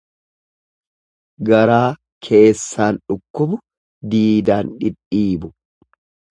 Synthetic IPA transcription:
ɡɐɾaː | kʰe̞ːsːaːnᶑʊkːʊbʊ | d̪iːd̪aːnᶑɪᶑːiːbʊ

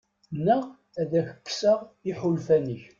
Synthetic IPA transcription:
nəʁ | æðæçə̥kːsəʁɪħʊlfænəç

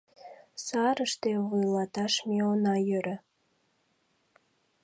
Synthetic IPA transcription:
sɑɾəʃt̪evujlɑt̪ɑʃmeonɑjøɾə

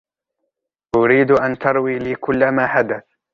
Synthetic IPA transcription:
ʔʊɾiːd̪ʔant̪ɑɾˤwiːliːkʊlːamaːħad̪aθ

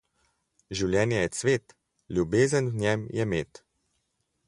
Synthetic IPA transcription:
ʒiwljɛːnjɛjɛsʋeːt̪ | ljubeːzənnʲɛmjɛmeːt̪

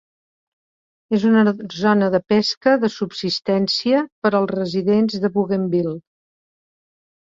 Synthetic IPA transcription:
ezunəzɔnəðəpɛskəðəsubsist̪ɛnsiəpəɾəlˠzrəziðenzðəβuɣembilˠ

